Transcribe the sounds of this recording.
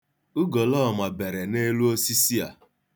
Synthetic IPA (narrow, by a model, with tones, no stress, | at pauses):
ʊ˦ɡo˨lɔ˦˨ma˨be˨ɾe˨ne˦lu˦o˦si˦si˦a̰˨